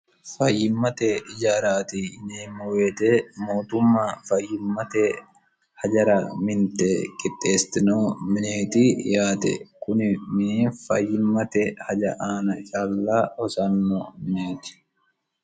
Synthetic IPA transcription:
fɐjːɪmːɐt̪ɛɪd͡ʒaːɾaːt̪ineːmːʊweːt̪eːmoːt̪ʊmːaːfɐjːɪmːɐt̪ɛ | hɐd͡ʒɐɾɐmɪnt̪eːkʼɪt̪ʼːeːst̪ɪnoːmɪneːt̪iːjaːt̪ɛ̰kʊnɪmɪniːnfɐjːɪmːɐt̪ɛhɐd͡ʒɐʔaːnɐt͡ʃʼaːlːaːhɔsɐnːoːmɪneːt̪ɪ̥

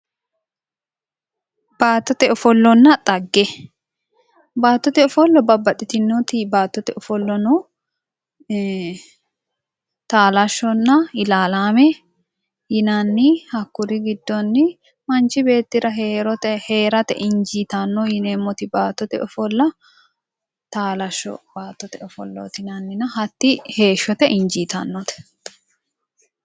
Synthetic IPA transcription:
b̥aːt̪ːɔt̪ɛɔfɔlːɔnːɐt̪ʼɐɡːɛ | baːt̪ːɔt̪ɛɔfɔlːɔbɐbɐᶑɪt̪ɪnːɔt̪ɪbaːt̪ːɔt̪ɛʔɔfɔlːɔnɔ | t̪aːlɐʃːɔnːɐɪlaːlaːmɛ | jɪnanːɪhɐkːʊɾɪɡɪd̪ːɔnːɪ | mɐnt͡ʃɪbe̞ːt̪ːɪɾɐɦeːɾɔt̪ɛhe̞ːɾɐt̪ɛ̰ʔɪɲd͡ʒiːt̪ɐnːɔjɪneːmːɔt̪ɪbaːt̪ːɔt̪ɛɔfɔlːɐ | t̪aːlɐʃːɔ̰baːt̪ːɔt̪ɛʊfɔ̰lːo̰t̪ɪnɐnːɪnɐɦɐt̪ːɪhe̞ːʃːɔt̪ɛʔɪnd͡ʒiːt̪ɐ̰nːɔt̪ɛ̥

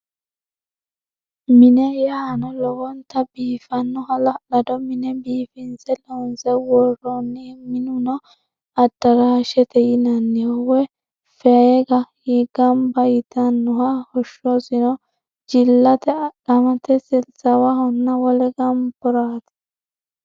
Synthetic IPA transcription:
mɪnɛjɐhɐnɔlɔwɔnt̪ːɐbiːfɐnːʊhɐlɐlɐd̪ɔmɪnɛbiːfɪnsɛlɔnsɛwɔrːɔnːɛmɪnʊnɔ | ɐd̪̥ɐɾaːʃɛt̪ɛjɪnɐnːɪhɔwɛ | fɛeɡɐhɪɡ̥ɐmbɐjɪt̪ɐnːʊɦɐhɔʃːɔsɪnɔ | d͡ʒɪlːɐt̪ɛᶑɐmɐt̪ɛsɪlsɐwɐhɔnːɐwɔlɛɡɐmbɔɾaːt̪ɐ̥

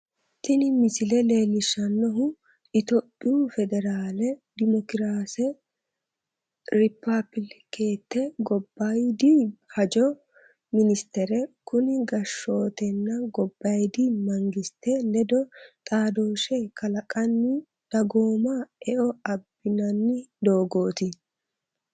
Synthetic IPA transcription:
t̪ɪnɪmɪsɪlɛle̞ːlɪʃːɐnːɔɦʊ | ʔɪt̪ɔpʼːɪjufɛd̪ɛɾaːlɛd̪ɪmɔkɪɾaːsɛ | ɾɪpːɐbɪlkeːt̪ːɛɡɔbːɐjd̪ihɐd͡ʒɔ | mɪnɪst̪ɛɾɛkʊnɪɡɐʃːo̞ːt̪ɛnːɐɡɔbːɐjd̪imɐŋɡɪst̪ːɛlɛd̪ɔt̪ʼaːd̪o̞ːʃɛkʰɐlɐkʼɐnːɪ | d̪̥ɐɡo̞ːmaːɛʔɔɐbːɪnɐnːɪd̪o̞ːɡo̞ːt̪ɪ

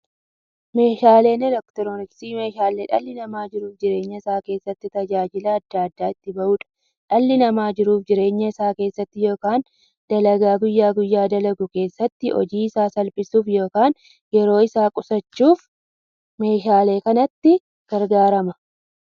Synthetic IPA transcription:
me̞ːʃaːle̞ːnɛlɔkt̪ɛɾonɪksiːme̞ːʃaːlːeːᶑɐ̰lːɪnɐmaːd͡ʒɪɾuːfd͡ʒɪɾe̞ːɲːɐɪsaːke̞ːsːɐt̪ːɪt̪ɐd͡ʒaːd͡ʒɪlɐɐd̪ːaːɐd̪ːaːɪt̪ːɪbɐʔuːᶑɐ̥ | ᶑɐlːɪnɐmaːd͡ʒɪɾuːfd͡ʒɪɾe̞ːɲːɐɪsaːke̞ːsːɐt̪ːɪjo̞ːkaːn | d̪̥ɐlɐɡaːɡʊjːaːɡʊjːaːd̪ɐlɐɡʊke̞ːsːɐt̪ːɪʔɔ̰d͡ʒiːɪsaːsɐlpʼɪsuːfjo̞ːkaːn | jɛɾo̞ːɪsaːkʼʊsɐt͡ʃːuːf | me̞ːʃaːle̞ːkɐnɐt̪ːɪ | ɡ̥ɐɾɡaːɾɐmɐ

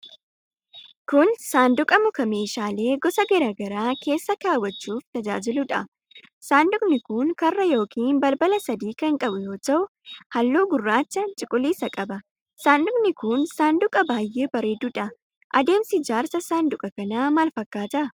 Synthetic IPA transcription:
kʊnsaːnd̪ʊkʼɐmʊkɐme̞ːʃaːle̞ːɡɔsɐɡɐɾaɡɐɾaːke̞ːsːɐkaːwːɐt͡ʃːuːft̪ɐd͡ʒa̰ːd͡ʒɪlʊᶑɐ | saːnd̪ʊkʼnɪkʊŋkɐrːɐjo̞ːkʰiːnbɐlbɐlɐsɐd̪iːkɐŋkʼɐbʊjo̞ːt̪ɐʔʊ | hɐlːoːɡʊrːaːt͡ʃːɐt͡ʃʼɪkʼʊliːsɐkʼɐbɐ | saːnd̪ʊkʼnɪkʊnsaːnd̪ʊkʼɐbaːjːe̞ːbɐɾeːd̪ʊᶑɐ | ʔɐd̪e̞ːmsɪd͡ʒaːɾsɐsaːnd̪ʊkʼɐkɐnaːmɐːlfɐkːaːt̪ɐʔ

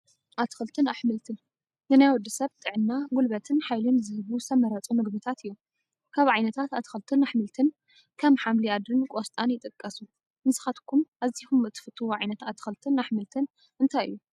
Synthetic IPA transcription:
ʔat̪ʰɨ̥xɨlt̪ʰɨnaħmɨlt̪ʰɨn | nɨnajwɔd̪ɨsɐβt̪ʼɨʕɨnːaɡulbɐt̪ʰɨnħajlomzɨhɨβusʰɐmɐɾɐt͡sʼumɨɡbɨt̪ʰat̪ɨjːo | kʰaβʕajnɐt̪ʰat̪at̪ʰɨ̥xɐlt̪ʰɨnaħmɨlt̪ʰɨn | kʰɐmħamliad̪ɾɨnkʼost̪ʼanjɪt̪ʼɨkʼːɐsu | mɨsɨ̥xat̪kʰumʔazixumɨt̪ʰːɨ̥fɨt̪ʰːɨwʕajnɐt̪at̪ʰːɨ̥xɐlt̪ʰɨnaħmɨlt̪ʰɨn | ʔɨnt̪ʰajʔɨ̰jːu

